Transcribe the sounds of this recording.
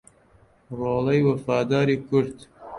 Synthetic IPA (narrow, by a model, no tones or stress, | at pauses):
roːlɐjwɐfɑːd̪ɑːɾikʊɾt̪